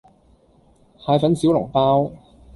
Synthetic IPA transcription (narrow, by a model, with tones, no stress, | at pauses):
haː˧jfɐ˨˥nsi˨˥wlʊ˨˩ŋpaː˥w